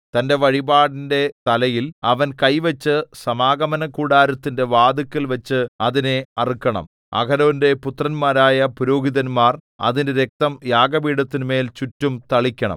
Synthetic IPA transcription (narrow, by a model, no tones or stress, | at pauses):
t̪ɐnde̞ʋɐɻibaːɽinde̞t̪ɐlɐjilɐʋɐnkɐjʋɐt͡ɕːɨsɐmaːɡɐmɐnɐkːuːɽaːɾɐt̪ːinde̞ʋaːd̪ukːilʋɐt͡ɕːɨɐðine̞ɐrikʲːɐɳɐ̰m | ɐ̰kʰɐɾoːnde̞put̪rɐnmaːɾaːjɐpuɾoːɡiðɐnmaːr | ɐ̰ðindeɾek̚t̪ɐmjaːɡɐbiːɽɐt̪ːinume̞ːlt͡ɕutːumt̪ɐɭikʲːɐɳɐ̰m